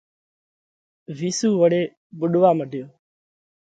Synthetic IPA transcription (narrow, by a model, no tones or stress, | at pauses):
ʋiːsuːʋəɽeː | ɓʊɗʋaːməɖʱɪjoː